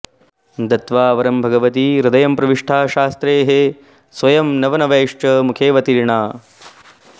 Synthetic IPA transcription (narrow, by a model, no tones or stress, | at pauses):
d̪ɐt̪ʋaːʋɐɾɐmbʱɐɡɐʋɐt̪iɾud̪ɐjɐmpɾɐʋiʂʈʰaːʃaːst̪ɾeːɦe | sʋɐjɐmnɐʋɐnɐʋɐːʂt͡ʃɐmukʰeːʋɐt̪iɾɳaː